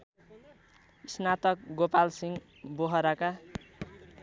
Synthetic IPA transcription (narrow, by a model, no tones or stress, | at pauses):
isnat̪ʌk̚ɡopalsiŋ | boɦʌɾaka